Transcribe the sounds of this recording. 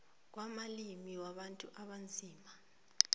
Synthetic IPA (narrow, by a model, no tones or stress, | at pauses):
k̬wamalimiwaɓantʼuʔaɓand͡zʱiːma